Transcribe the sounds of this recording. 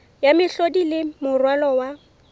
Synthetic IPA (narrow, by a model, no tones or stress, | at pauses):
jamɪɬodilɪmʊrwalɔwa